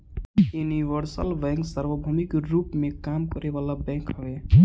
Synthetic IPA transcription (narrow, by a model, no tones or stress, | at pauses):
juniʋəɾsəlbɛ̃ŋksəɾbəbʱəmikɾupmekamkəɾebalabɛ̃kɦʌbe